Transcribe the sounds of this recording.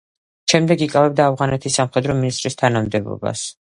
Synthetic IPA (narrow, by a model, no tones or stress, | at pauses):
ʃɛmd̪ɛɡikʼavɛb̚d̪aːvʁanɛt̪ʰisːamχɛd̪ɾɔminist̪ʼɾist̪ʰanamd̪ɛbɔ̰ba̰s